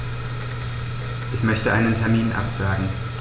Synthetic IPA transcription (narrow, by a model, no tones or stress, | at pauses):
ʔɛçmœçtəʔaɪnəntʰɛɐmiːnʔa̰pz̥aːɡŋ̩